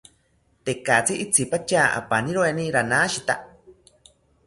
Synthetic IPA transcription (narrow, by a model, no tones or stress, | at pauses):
t̪ekat͡siʔit͡sʰipat͡ʃaːʔa̰paniɾoenĩɾanãːʃit̪a